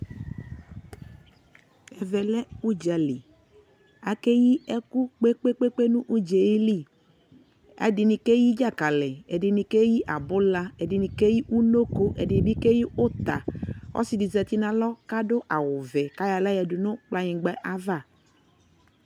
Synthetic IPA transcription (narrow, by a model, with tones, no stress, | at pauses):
ɛ˨vɛ˨lɛ˦u˦d͡ʒa˨li˨ | a˨ke˦ji˦ɛ˦kʊ˦k͡pe˦k͡pe˦k͡pe˦k͡pe˦nũ˦ʔu˦d͡ʒe˨i˦li˦˨ | a̰˨dɪ˨nɪ˨ke˦ji˦d͡ʒa˦˨ka˨lɛ˨ɛ˨dɪ˨nɪ˨ke˦ji˦ʔa˨bʊ˦la˦ɛ˨dɪ˨nɪ˨ke˦ji˦ʔu˦no˦ko˦ʔɛ˨dɪ˨n˨bi˦ke˦ji˦ʊ˦t̪a˨ɔ̰˦sɪ˨di˨zɛ˨t̪i˦nã˨lɔ˦ka˦dʊ˦ʔa˨wʊ˨vɛ˨ka˦ja˨la˦jɛ˨dʊ˨nʊ̃˦k͡pla˨ɲɪ˨ɡ͡bɛ˦ʔa˦va˦˨